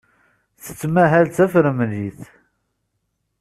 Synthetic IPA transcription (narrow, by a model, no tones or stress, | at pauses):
θə̥t͡sːmæɦælt̪æfɾəmðiθ